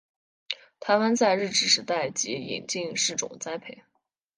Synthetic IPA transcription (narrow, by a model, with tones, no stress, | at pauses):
t̪ʰa˧˥ɪwa˥nt͡sa˥˧ɪɻɻ̩˥˩ʈ͡ʂɻ̩˥˩ʂɻ̩˧˥t̪a˥˩ɪt͡ɕi˧˥ḭ˨˩nt͡ɕi˥˧ŋʂɻ̩˥˩ʈ͡ʂʊ̰˨˩˦ŋt͡sa˥ɪpʰe˧˩ɪ